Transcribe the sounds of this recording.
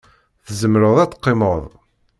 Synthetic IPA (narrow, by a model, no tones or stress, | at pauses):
θəzəmɾəðˤæt͡sːə̥qːeməðˤ